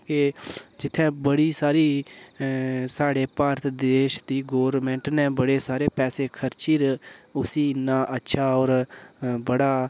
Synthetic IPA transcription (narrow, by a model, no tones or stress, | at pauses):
ked͡ʒɪt̪ʰːẽːbəɽiːsaːɾiː | saːɽeːpaːɾt̪d̪eːʃd̪iːɡoːʋɾmɛ̃ːɳʈnɛ̃ːbəɽeːsaːɾeːpɛːseːkʰəɾt͡ʃiːɾʊsiːnːãːʔətːʃʰaːɔːɾbəɽaː